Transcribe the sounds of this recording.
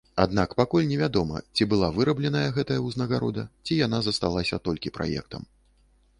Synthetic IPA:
ad̪nakpakulʲnʲɛvʲad̪ɔmɐ̰t͡sʲibɨlˠavɨɾɐblʲɛnɐjɐɣɛt̪ɐjɐwznɐɣaɾɔd̪ɐ̰t͡sʲijan̪azɐst̪alˠasʲɐt̪ɔlʲkʲipɾa̰jɛ̰kt̪ɐ̰m

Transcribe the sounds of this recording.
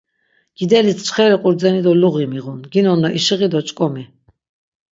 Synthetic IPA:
ɡ̥id̪ɛlit̪ʰt͡ʃχɛɾiqʼuɾd͡zɛnid̪ɔluɣimiʁunɡinɔnːaʔiʃiʁid̪ɔt͡ʃʼkʼɔmi

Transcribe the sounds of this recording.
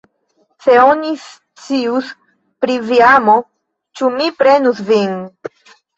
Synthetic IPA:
se̞onis | t͡sius | pɾiviamo | t͡ʃumipɾe̞nusvin

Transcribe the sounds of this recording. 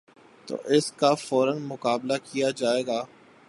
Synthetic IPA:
t̪o̰ːʔɪskafɔːɾənmʊkaːblakijad͡ʒaːeːɡaː

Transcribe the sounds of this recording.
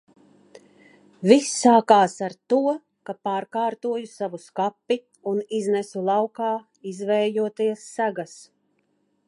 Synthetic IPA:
visːaːkaːsaɾt̪uɔ | kapaːɾkaːɾt̪uɔjusavuskapːi | uniznɛsulˠɑwkaː | izvɛːjuɔt̪iɛsːaɡas

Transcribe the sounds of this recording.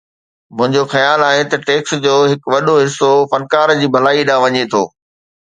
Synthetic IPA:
mʊ̃ɦɪ̃ɲd͡ʑoxɐjaːlaːɦet̪ɐʈeːksd͡ʑoːɦɪkʋɐɗoɦɪsːofɐnkaːɾd͡ʑiːbʱɐlaːiɗaːʋɐɲet̪ʰo̰ː

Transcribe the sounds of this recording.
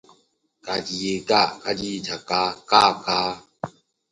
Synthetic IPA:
kadijeɡakadiitakakakaː

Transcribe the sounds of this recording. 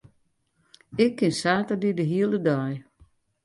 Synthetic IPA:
ɪkʰːɪnsaːtədidəɦiəlˠədɔj

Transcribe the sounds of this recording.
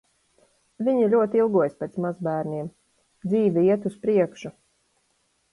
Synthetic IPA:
viɲilʲuɔt̪ilˠɡuɔjspet̪smazbæːɾniɛm | d̪ziːvʲɛiɛt̪uspɾiɛkʃu

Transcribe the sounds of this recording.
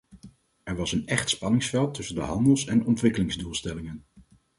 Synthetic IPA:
ɛɹʋɑsənɛχtspɑnɪŋsfɛlˠtɵsəndə̰ɦɑndəlˠsɛnɔntʋɪkəlɪŋzdulˠstɛlɪŋən

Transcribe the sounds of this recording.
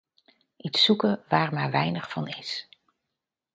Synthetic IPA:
ʔitsukəʋaːɹmaːɹʋɛjnəχfɑnɪs

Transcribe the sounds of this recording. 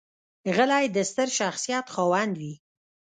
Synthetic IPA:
ɣəlɑjd̪əst̪əɾʃaxsijɑt̪xɑwɑnd̪wi

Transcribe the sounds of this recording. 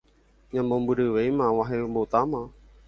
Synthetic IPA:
ɲãmbombɨɾɨʋejmawaɦembot̪ama

